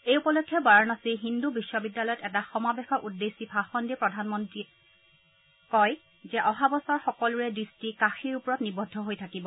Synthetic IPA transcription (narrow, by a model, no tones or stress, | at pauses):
ejupɔlokʰːjɔbaɹɔnasiɦindubisːɔbidːalɔjɔtɛtaxɔmabɛxɔʔudːesibʱaxɔndipɹɔdʱanmɔntɹi | kɔj | zɛʔɔɦabɔsɔɹxɔkɔlʊɹɛdɹistikaxiɹupɔɹɔtnibɔdʱːɔɦojtʰakibɔ